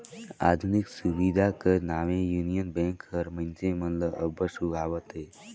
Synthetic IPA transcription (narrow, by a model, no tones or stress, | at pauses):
a̰d̪ʱuniksuʋid̪ʱakənaʋẽjunijənbẽŋkəɾmənsẽmənləəbəsubʱaʋət̪ɦe